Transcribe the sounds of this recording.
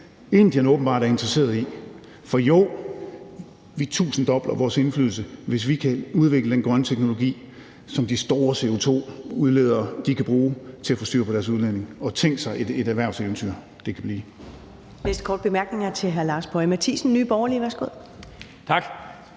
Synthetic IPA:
e̝n̩d̥inɔ̽ːb̥n̩b̥ɑ̈ːd̥ɾæɐe̝nd̥ʁɐse̝̰ːɐð̩ˠi | fɒ̽jo | ʋit͡sʰṵːsn̩d̥ɒ̽b̥lɐʋɒːse̝nfly̰ðˠl̩s̬əʋe̝s̬ʋikʰæuð̞ˠʋeɡ̥ləd̥enɡ̥ʁɶnt͡sʰeɡ̥no̝lo̝ɡ̥ḭː | sɒ̽md̥isd̥o̝ːɐse̝o̝t͡sʰo̝̰ːuðˠle̝ːð̞̰ˠɐd̥ikʰæb̥ʁuːt͡sʰe̝æfɒ̽sd̥y̰ɐ̰pʰɒ̽ɾ̥æɐs̬uð̞ˠlene̝ŋɒ̽t͡sʰeŋ̰ɡ̥sɑ̈ɪʔe̥e̝ɾæʋæɐ̰ʊseʊn̩t͡sʰy̰ɐ̰ | d̥e̝kʰæb̥liː | nesd̥kʰɒ̰ːd̚b̥e̝mæɐɡ̥ne̝ŋɐt͡sʰe̝ɦæɐlɑ̈ːsb̥ʰɒ̽ɪmæt͡sʰḭːsn̩nyːb̥ɒːɐliʋæɐsɡ̥o̝ð̰ˠ | t͡sʰɑɡ̥

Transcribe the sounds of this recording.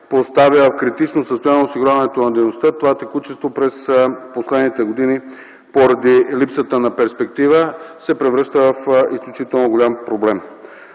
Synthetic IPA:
post̪avivɐfkɾit̪it͡ʃnosəst̪ojaniɛosiɡʊɾʲavɐnɛt̪onɐd̪ɛjnost̪ət̪ovat̪ɛkut͡ʃɛst̪vopɾɛsposlɛd̪nit̪ɛɡod̪ini | poɾɐd̪ilipsət̪ənapɛɾspɛkt̪ivəsɛpɾɛvɾɤʃt̪əvɐfisklʲut͡ʃit̪ɛlˠnoɡolʲampɾoblɛm

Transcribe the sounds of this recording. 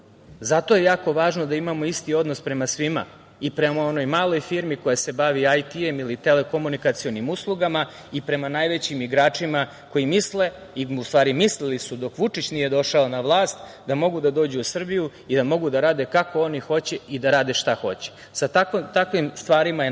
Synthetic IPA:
zat̪o̞je̞jaːko̞ʋaːʒnod̪aimamo̞ist̪io̞d̪no̞spɾe̞masʋima̰ | ipɾe̞mao̞no̞jmaːlˠo̞jfiɾmiko̞jase̞baʋiajt̪ie̞milit̪e̞leko̞munikat̪sio̞nimuslˠuɡama | ipɾe̞manaːjʋe̞t͡ɕimiɡɾaːt͡ʂima | ko̞jimisle̞ | iust̪vʋaːɾimislilisud̪o̞kʋut͡ʂit͡ɕnije̞d̪o̞ʃaonaʋlˠaːst̪ | d̪amo̞ɡud̪ad̪o̞ːd͡ʑuusr̩biju | id̪amo̞ɡud̪aɾaːd̪e̞kako̞o̞nixo̞t͡ɕeid̪aɾaːd̪eʃt̪axo̞̰t͡ɕe̥ | sat̪akt̪akʋimst̪ʋaːɾimae

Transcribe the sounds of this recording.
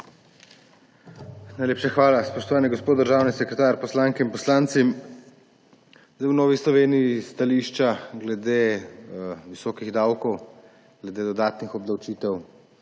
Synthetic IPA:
najleːpʃaxʋaːlaspɔʃt̪ɔʋaːniɡɔspoːt̪d̪əɾʒaːwnisɛkɾɛt̪aːɾpɔslaːŋkɛinpɔslaːnt̪si | zajwnɔːʋislɔʋeːnijist̪aliʃt͡ʃaɡlɛd̪eː | ʋisɔːkiɣd̪awkɔw | ɡ̥lɛd̪eːd̪ɔd̪aːt̪nixɔb̚d̪awt͡ʃiːt̪ɛw

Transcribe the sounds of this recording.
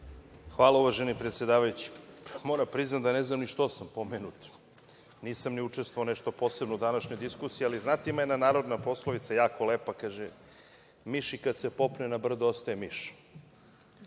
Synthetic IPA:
xʋaːlˠauʋaʒenipɾet̪sje̞d̪aːʋajut͡ɕi̥moɾapɾiznat̪d̪aneznamniʃt̪o̞sampo̞menut̪ | niːsamniut͡ʃe̞st̪voaoneʃt̪o̞po̞sebnoud̪anaʃɲojd̪iskusijializnat̪imenanaːɾod̪napo̞sloʋit̪sajaːkoleːpakaːʒe | miʃikad̪sepo̞pnenabr̩d̪ost̪aemiʃ

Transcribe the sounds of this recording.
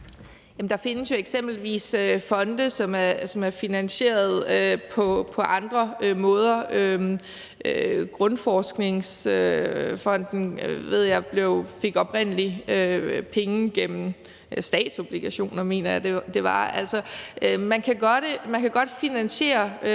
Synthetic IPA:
jæmn̩d̥ɑ̈fe̝nəsjo̝eɡ̥sem̰b̥l̩ʋḭːsøfɒ̽nd̥əsɒ̽mæsɒ̽mæɐfinænɕe̝̰ːɐð̞ˠøpʰɒ̽pʰɒ̽ʔɑ̈nd̥ʁɐømɔ̽ːð̞ˠɐø | ɡ̥ʁɔnfɒːsɡ̥ne̝ŋsøfɒ̽n̰d̥n̩ʋe̝ð̞̰ˠjɑ̈ɪb̥le̝ʊfe̝ɡ̥ɒ̽pʁen̰əliøpʰeŋəɡ̥em̰m̩ | sd̥ɛ̰ːd̥so̝b̥liɡ̥æɕo̝̰ːnɐme̝ːnɐjɑ̈d̥e̝d̥e̝ʋɑ̈æl̰sɒʔmænkʰæɡ̥ɒ̽d̥mænkʰæɡ̥ɒ̽d̥finænɕe̝̰ːɐ

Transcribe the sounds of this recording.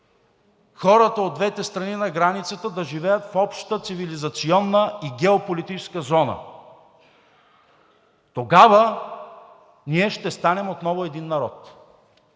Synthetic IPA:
xɔɾət̪əod̪vɛt̪ɛst̪ɾɐninɐɡɾanit̪sət̪əd̪ɐʒivɛjət̪fɔpʃt̪ət̪sivilizɐt̪siɔnːəiɡɛopolit̪it͡ʃɛ̥skəzɔnə̰ | t̪oɡavə | niɛʃt̪ɛst̪anɛmot̪nɔvʊɛd̪inːɐɾɔ̰t̪

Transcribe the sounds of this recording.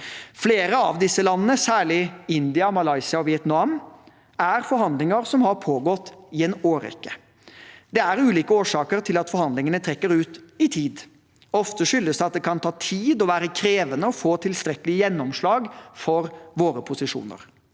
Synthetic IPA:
fleːɾəɑ̰ʋd̪ɪsːəlɑnːənəsæːɭɪɪnd̪ɪɑmɑlɑɪsɪɑɔʋɪɛt̪nɑm | æɾfɔɾhɑnd̪lɪŋəɾsɔmhɑɾpʰoːɡɔt̪ːɪɛnoːɾɛ̰kːə | d̪̥ɛæɾʉːliːkəoːʂɑːkəɾt̪ʰɪlɑt̪fɔɾhɑnd̪lɪŋənət̪ʰɾɛkːəɾʉːt̪ɪt̪ʰiːd̪ | ɔft̪əʂʏlːəsd̪ɛɑt̪̚d̪ɛkʰɑnt̪ʰɑːt̪ʰiːd̪ɔʋæːɾəkʰɾeːʋənəɔfoːt̪ʰɪlst̪ɾɛkːəlɪjɛnːɔmʂlɑːɡfɔɾʋoːɾəpʰʊsɪʂṵːnə̰ɾ

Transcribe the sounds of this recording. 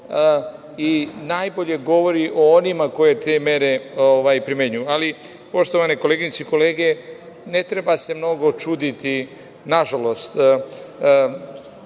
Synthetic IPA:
inajboʎe̞ɡo̞ʋo̞ɾiʔo̞onimako̞je̞t̪e̞me̞ɾe̞oʋajpɾimeɲujuali | po̞ʃt̪o̞ʋanekoleɡiɲt̪seiko̞leːɡe̞ | ne̞t̪ɾe̞base̞mno̞ɡo̞t͡ʃud̪it̪i | naʒalo̞st̪

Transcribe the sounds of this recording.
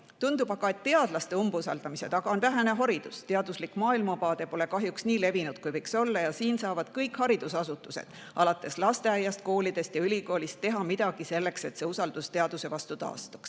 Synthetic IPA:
t̪und̪̥ub̥ɑb̥ɑe̞t̪ːe̞ɑd̪lɑst̪e̞umbusɑ̰ld̪̥ɑmise̞t̪ɑɡ̥ɑo̞nvæɦe̞ne̞ɦɑɾid̪̥ust̪e̞ɑd̪uslikmɑːilmɑpɑːd̪̥e̞po̞le̞kɑɦjuksniːle̞vinud̪̥̚kujvɤjkso̞lːɑjɑsiːnsɑːvɑd̪̥kɤjkhɑɾid̪̥usɑsut̪ːˑuse̞̰d̪̥ | ʔɑlɑt̪ːˑe̞slɑst̪e̞ɑjɑst̪̚ko̞ːlid̪̥e̞st̪jɑylʲiko̞ːlist̪̚ːe̞ɦɑmid̪̥ɑɡ̥ise̞lːe̞kse̞t̪se̞usɑld̪̥ust̪e̞ɑd̪̥use̞vɑst̪ut̪ɑ̰ːst̪u̥ks

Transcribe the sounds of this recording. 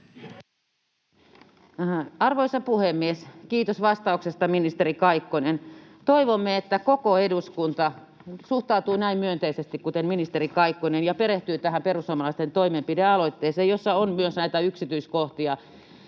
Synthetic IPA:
ɑrʋoisɑpuhemːieskiːt̪osʋɑst̪ɑuksest̪ɑminist̪eɾikɑikːonent̪oiʋomːeet̪ːækokoeduskunt̪ɑ | suht̪ɑut̪uːnæimmyønt̪eisest̪ikkut̪enminist̪erikɑikːonenjɑpeɾeht̪yːt̪æɦæmperusːomɑlɑist̪ent̪oimempideɑloit̪ːeːseːjosːɑonmyøsnæit̪æyksit̪yiskoht̪iɑ

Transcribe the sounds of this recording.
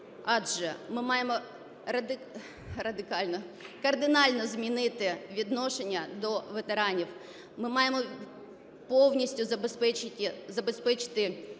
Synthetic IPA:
ɑʒɛmɪmɑjemɔ | rɐd̪ɪ | rɐd̪ɪkɑlʲnɔkɐrd̪ɪnɑlʲnɔzmʲinɪt̪ɪʋʲid̪nɔʃenʲːɐd̪ɔʋet̪eɾɑnʲiw | mɪmɑjemɔ | pɔwnʲisʲtʲʊzɐbspɛt͡ʃɪtʲɪzɐbespɛt͡ʃɪ̥t̪ɪ

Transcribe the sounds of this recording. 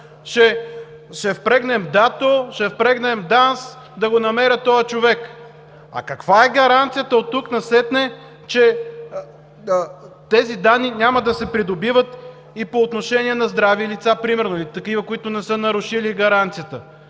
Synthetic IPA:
ʃɛ | ʃɛfpɾɛɡnɛmd̪at̪oʃɛfpɾɛɡnɛmd̪ans | d̪ɐɡonɐmɛɾʲət̪ɔjət͡ʃovɛk | ɐ̰kɐkvaɛɡɐɾant̪sijət̪əot̪ːuknɐsɛt̪nɛ | t͡ʃɛ | t̪ɛzid̪anːinʲamɐd̪ɐsɛpɾid̪obivət̪ | ipoːt̪noʃɛnʲiɛnɐzd̪ɾavilit̪sapɾimɛɾnoilit̪ɐkivəkoit̪ʊnɛsɤnɐɾʊʃiliɡɐɾant̪sijət̪ə

